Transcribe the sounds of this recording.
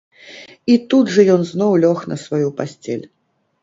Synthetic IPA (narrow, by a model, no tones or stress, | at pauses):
it̪ud̪ʐɐjɔnznɔwlʲɔxnɐsvajupasʲt͡sʲɛ̰lʲ